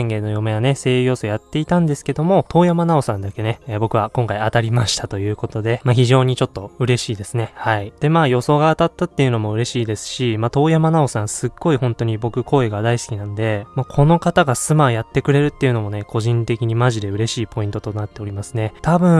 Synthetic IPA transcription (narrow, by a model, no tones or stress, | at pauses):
ẽŋɡe̞ːnojo̞me̞jane̞se̞ːɯjo̞ːsojat̪ːe̞it̪ãnd̪e̞sɨ̥ke̞d̪o̞mo̞t̪ʰo̞ːjamanao̞sãnd̪ake̞ne̞bo̞kɯ̟βakõŋkaiat̪aɾʲimaɕi̥t̪ʰat̪o̞jɯ̟ːko̞t̪o̞d̪e̞maçiʑo̞ːɲ̟it͡ɕo̞t̪ːo̞ɯ̟ɾe̞ɕiːd̪e̞sɨne̞haid̪̥e̞maːjo̞so̞ːɡaːt̪at̪ːat̪ːe̞jɯ̟no̞mo̞ɯ̟ɾe̞ɕiːd̪e̞sɨ̥ɕimat̪o̞ːjamanao̞sãɰ̃sɨɡːo̞ihõ̞nt̪o̞ɲ̟ibo̞kɯ̟kʰo̞ːe̞ɡad̪aisɨ̥kʲinãnod̪e̞makʰo̞no̞kat̪aɡasɨmajat̪ːe̞kɯ̟ɾe̞ɾɯ̟t̪ːe̞jɯ̟no̞mo̞ne̞kʰo̞ʑĩnt̪e̞kʲiɲ̟imaʑid̪e̞ɯ̟ɾe̞ɕiːpo̞ĩnt̪ot̪o̞nat̪ːe̞o̞ɾʲimasɨne̞t̪ʰabɯ̟̃